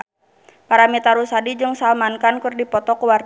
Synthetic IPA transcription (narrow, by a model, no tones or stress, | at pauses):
paɾamit̪aɾusadid͡ʒɨŋsalmankankɨrdipɔt̪ɔkuwar